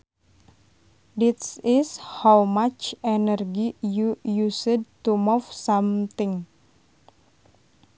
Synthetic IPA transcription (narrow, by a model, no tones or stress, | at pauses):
dit̪sishawmat͡ʃɛnərɡijujusəd̚t̪umufsamt̪ɪŋ